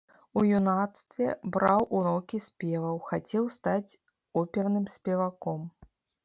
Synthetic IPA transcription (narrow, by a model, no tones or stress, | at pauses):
ujunat̪st̪vʲɛ̰bɾawʔunɔkʲisʲpʲɛvɐwxat͡sʲɛwst̪at͡sʲ | ɔpʲɛrnɨmsʲpʲɛvakɔm